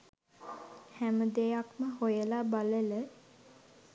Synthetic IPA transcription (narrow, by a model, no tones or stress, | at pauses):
hæməd̪ejakməhojəlabalələ